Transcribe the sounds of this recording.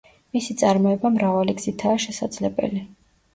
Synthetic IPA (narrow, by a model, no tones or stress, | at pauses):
misit̪sʼaɾmɔɛbamɾavaliɡz̥it̪ʰaːʃɛsad̪z̥lɛbɛ̰li